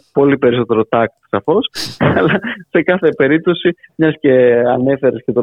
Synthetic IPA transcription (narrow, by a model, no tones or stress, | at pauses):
po̞lipe̞ɾiso̞t̪e̞ɾo̞t̪ɐk̚t̪i̥sɐfo̞slɐse̞kɐθe̞pe̞ɾip̚t̪o̞simɲɐsce̞ɐne̞fe̞ɾesce̞t̪o